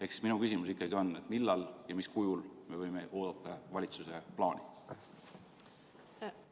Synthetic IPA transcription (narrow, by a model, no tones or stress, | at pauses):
e̞ksminukysimusikːˑɑɡio̞nːe̞t̪ːˑmilːɑljɑmiskujulme̞vɤ̞jme̞ʔo̞ːd̪̥ɑt̪ˑːɑvɑlʲit̪suse̞plɑːnʲḭ